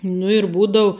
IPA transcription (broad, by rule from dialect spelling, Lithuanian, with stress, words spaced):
nʊ ɪr ˈbuːdɐʊ